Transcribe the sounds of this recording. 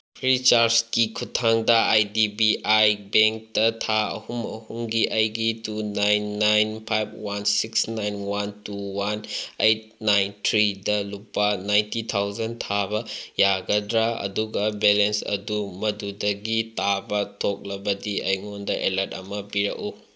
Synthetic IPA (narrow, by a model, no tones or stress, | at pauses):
pʰɾit͡ʃaɾskikʰutʰːaŋdɐajdibiʔajbeŋk̚tɐtʰaɐ̰humɐ̰humɡiʔɐjɡitunajnːajnpʰajb̚ʰwansiksnajnwantuwanejt̚najntʰɾidɐlupːɐnajntitʰawzɐntʰabɐjaɡɐdɾaɐ̰duɡɐbelensɐ̰dumɐdudɐɡitabɐtʰok̚lɐbɐdiɐjŋondɐʔelɐtɐ̰mɐpiɾɐ̰ku